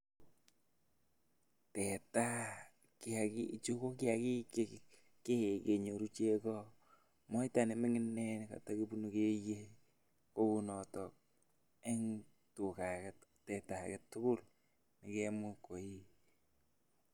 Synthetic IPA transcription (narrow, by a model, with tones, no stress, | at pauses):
tɛ˨ta˦ | kɪ˦a˨ki˦˨t͡ʃu˦ko˦kɪ˦a˨ki˦ke | ke˦˨ke˨ɲo˨ɾu˦t͡ʃe˦kɔ˦ | mɔ˦i˦ta˨nɪ˨mɪ˦ŋɪ˦nːɛ˦n˨ka̰˨ta˦ki˦bu˦nu˨ke˦je˦ | ko˦ku˨nɔ˨tɔ˨k̚ | e˦ŋ | tu˨ka˨kɛttɛ˨ta˨kɛ˨tːʊ˦kʊ˦l | ni˨kɛ˦mu˦ko˨i˦